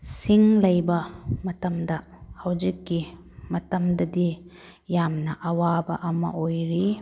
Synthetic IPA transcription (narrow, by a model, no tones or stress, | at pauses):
siŋlɐjbɐmɐtɐmdɐ | hɐwd͡ʒikːi | mɐtɐmdɐdi | jamnɐʔɐwabɐ̰ʔɐmɐ̰ʔojɾi